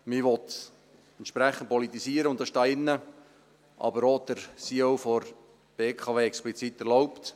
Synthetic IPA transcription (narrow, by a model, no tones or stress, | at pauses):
mɪʋɔt̪ | ɛntʃpɾɛχən̩t̚pɔlit̪ːisiəɾəʊntd̥ɑsʃtɑːɪnːə | ʔɑ̰bəɾod̥əɾsiowfɔɾ | b̥eːkʰɑʋeːɛksplit͡sit̪ɛɾlɔʊpt̪